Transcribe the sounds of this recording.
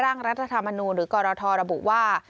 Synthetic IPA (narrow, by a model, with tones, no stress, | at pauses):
ɾaː˥˩ŋɾa˦˥t̪̚ʰːa˧t̪ʰa˧mːa˧nuː˧nɾɯː˩˦kɔː˧ɾɔː˧t̪ʰɔː˧ɾa˧bṵ˨˩ʔwaː˥˩